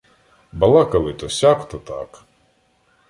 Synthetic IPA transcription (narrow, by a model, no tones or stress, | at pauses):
bɐlˠɑkɐlˠɪt̪ɔsʲakt̪ɔt̪a̰k